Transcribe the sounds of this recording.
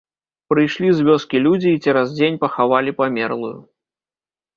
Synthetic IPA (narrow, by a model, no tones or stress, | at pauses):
pɾɨjʂlʲizʲvʲɔskʲilʲud͡zʲiːt͡sʲɛɾazd͡zʲenʲpɐxavalʲipamʲɛrlˠujṵ